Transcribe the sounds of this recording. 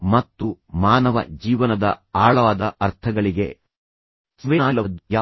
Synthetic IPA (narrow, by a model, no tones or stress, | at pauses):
mɐt̪ːumaːnɐʋɐ̰d͡ʒiːʋɐnɐd̪ɐaːɭɐʋaːd̪ɐʔɐɾt̪ʰɐɡɐɭiɡe̞ | sʋeaːlɐd̪jaː